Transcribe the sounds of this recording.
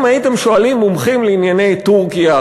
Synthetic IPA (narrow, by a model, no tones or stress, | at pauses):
majit̪e̞mʃo̞alimːomχimleinjane̞jt̪uʁkija